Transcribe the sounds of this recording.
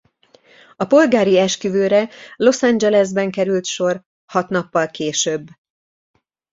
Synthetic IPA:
ɒpo̞lɡaːɾiɛʃkyvøːɾɛlo̞sand͡ʒɛlɛzbɛŋkɛɾylt̪ʃo̞r | hɒt̪nɒpːɒlkeːʃøbː

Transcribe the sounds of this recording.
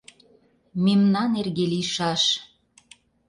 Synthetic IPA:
memnɑnerɣeliʃɑʃ

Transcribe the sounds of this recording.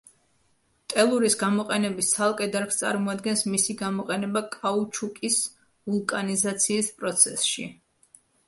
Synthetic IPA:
t̪ʼɛlˠuɾisɡamɔqʼɛnɛbissʰalˠkʼɛd̪aɾkst̪sʼa̰ɾmɔad̪ɡɛnsmisiɡamɔqʼɛnɛbakʼaut͡ʃʰukʼis | vulˠkʼanizat̪sʰiːspʼɾɔt̪sʰɛsʃḭ

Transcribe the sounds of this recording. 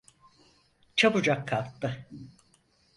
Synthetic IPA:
t͡ʃʰabud͡ʒakːʰalˠt̪ːɯ

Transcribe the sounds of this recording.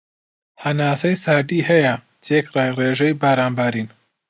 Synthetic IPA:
hɐnaːsɐjsaːɾd̪iːhɐjɐ | t̪ʰeːkraːjreːʒɐjbaːɾaːnbaːɾiːn

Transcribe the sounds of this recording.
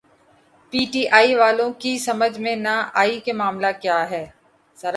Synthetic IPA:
piːʈiːʔaːiʋaːlõkisɐməd͡ʒʱmẽnaʔaːikemaːmlakjaːɦɛː | sɐɾ

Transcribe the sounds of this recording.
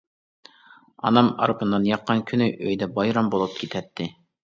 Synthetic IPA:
ɑ̰nɑmɑ̰ɾɨpɨnːɑnjɑqːɑnkʲʰynyʔøjd̪ɛbɑjɾɑmbolˠup̚kʲʰit̪ʰɛt̪ʰːɪ

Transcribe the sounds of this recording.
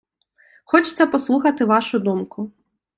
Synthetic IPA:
xɔt͡ʃɪ̥t͡sʲːɐpɔslˠuxɐt̪ɪʋaʃʊd̪umkʊ

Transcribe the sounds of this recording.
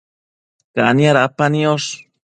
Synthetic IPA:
kaʔaniaɾapanioʂ

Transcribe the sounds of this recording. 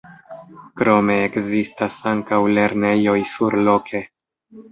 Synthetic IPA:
kɾo̞me̞ːkzistasaŋkawle̞ɾne̞jo̞jsuɾlo̞kʰe̞

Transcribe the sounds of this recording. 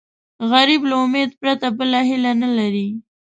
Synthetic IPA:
ɣaɾiblaʊmed̪pɾat̪abəlaɦɪlanalaɾi

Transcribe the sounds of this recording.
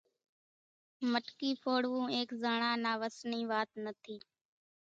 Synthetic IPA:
məʈkiːpʰoːɽʋũːeːkzəɳãːnaːʋəsniːʋaːt̪nət̪ʰiː

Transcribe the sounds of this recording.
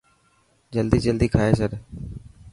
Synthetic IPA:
d͡ʒəld̪iːd͡ʒəld̪iːkʰaːeːsəɾ

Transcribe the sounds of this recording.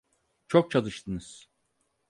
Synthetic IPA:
t͡ʃʰok̚t͡ʃʰalˠɯʃt̪ʰɯnɯz̥

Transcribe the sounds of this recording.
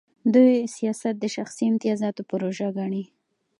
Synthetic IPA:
d̪ujsijɑsat̪̚d̪əʃaxsiɪmt̪ɪjɑzɑt̪opʊɾoʒaɡaɳi

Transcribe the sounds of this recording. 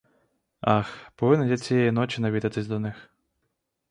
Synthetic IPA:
ɑxpɔʋɪnːɛnjat͡sʲijɛjinɔt͡ʃʲɪnɐʋʲid̪ɪt̪ɪzʲd̪ɔnɪx

